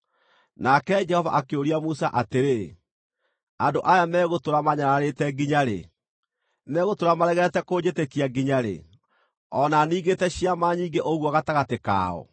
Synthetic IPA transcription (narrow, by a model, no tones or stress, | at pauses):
nakɛd͡ʒɛhɔva̰ʔakeoɾiamusaʔateɾe | andoʔajamɛːɣotoɾamaɲaɾaɾetɛɡiɲaɾḛ | nɛɣotoɾamaɾɛɣɛtɛkoːd͡ʑetekiaɡiɲaɾḛ | ɔnaniːɣɡetɛɕiamaːɲiːŋɡeʔoɣwɔaɣataɣateka̰ːɔ̰